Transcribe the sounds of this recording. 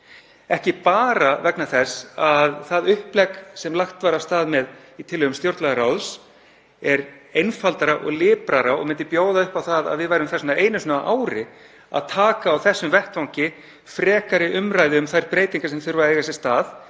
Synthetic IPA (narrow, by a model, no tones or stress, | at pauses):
ɛhcɪpaːɾavɛknaθɛsaðθaðʏhplɛksɛmlaxt̪vaɾawst̪aːðmɛð | it̪ʰɪlhʏɣʏmst̪jowɾt̪laɣaɾawðs | ɛɾejnfalt̪aɾaʔɔ̰ɣlɪːpɾaɾaɔ̰ɣmɪnt̪ɪpjoːwðaʏhpawθaða̰ðvɪðvajɾʏmθɛsnaeːjnʏsnaʔaːwɾɪ | a̰ðt̪ʰaːkaːwθɛsːʏmvɛht̪vawŋcɪ | fɾɛːkaɾɪʔʏmɾajðɪʏmθajɾpɾeːjt̪iŋkasɛmθʏɾvaejɣasɪ̥st̪aːð